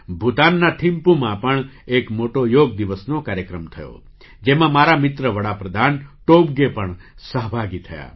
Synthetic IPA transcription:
bʱut̪anːaʈʰimpumãpəɳekmoʈojoɡd̪iʋəsnokaːɾjəkɾəmt̪ʰəjo̰ | d͡ʒemãmaɾamɪt̪ɾəʋəɽapɾəd̪ʱanʈobɡepəɳ | səɦbʱaɡit̪ʰəja̰

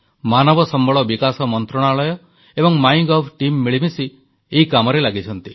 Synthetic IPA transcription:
manɔbɔsɔmbɔɭɔbikasɔmɔnt̪ɾɔɽ̃aɭɔjɔ | ebɔŋmajɡɔpʰʈimːiɭibisi | eɦikamɔɾelaɡit͡ʃʰɔnt̪i

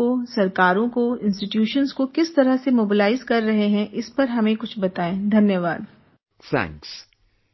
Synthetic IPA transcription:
osɐɾkaːɾõkoɪ̃nsʈɪʈjuːʃənzkokɪst̪ɐɾəɦsemoːbɪlaːɪzkɐɾːɐɦeɦɛ̃ʔɪspɐɾɦɐmẽkʊt͡ʃʰbɐt̪aːẽːd̪ʱɐnjəʋaːd̪ | sɛ̰̃ːŋks

